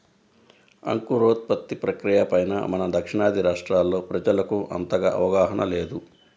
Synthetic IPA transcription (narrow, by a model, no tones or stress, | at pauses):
ɐ̰ŋkuɾoːt̪̚pɐt̪ːipɾɐkɾijɐpɐjnɐ̰mɐnɐd̪ɐkʂiɳaːd̪ʱiɾaːʂʈɾaːlːo̞ːpɾɐd͡ʒɐlɐkuʔɐ̰nt̪ɐɡɐʔɐ̰ʋɐɡaːɦɐɳɐ̰leːd̪u